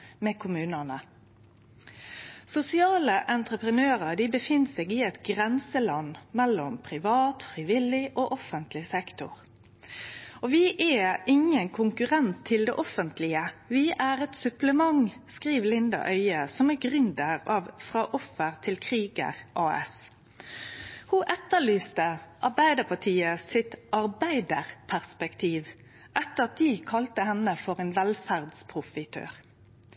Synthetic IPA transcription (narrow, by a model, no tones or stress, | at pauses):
mɛːkʰʊmʉːnənə | sʊsɪɑːləʔɛnt̪ʁəpʁənøːʁəd̪ɪbəfɪnːsɛɡɪɛt̪ɡʁɛnsəlɑnːmɛlːɔmpʰʁɪʋɑːt̪fɾiʋɪlːɪʔoːʔɔfənt̪lɪsɛkt̪ʊ̰ʁ | ɔʋɪʔæɪŋənkʰʊŋkʉʁɛnt̪ʰːɪld̪ɛ̰ːʔɔfənt̪lɪəʋɪʔæɾɛt̪sʉpləmɑŋskʁiːʋlɪnd̪ɑ̰ʔœʏəsɔmæɡʁʏnd̪əɾɑʋfɾɑːʔɔfːəʁt̪ʰɪlkʰʁiːɡə̰ʁʔɑːɛ̰s | hʊʔɛt̪ːəɭyːst̪əʔɑʁbæɪd̪əpʰɑʈʰiːəsɪt̪ɑʁbæɪd̪əʁpʰæʁspɛkt̪ʰiːʋ | ʔɛt̪ːəɾɑt̪̚d̪ɪkʰɑlt̪əhɛnːəfɔʁenʋɛlfæʁd̪spʰʁʊfɪt̪ʰø̰ːʁ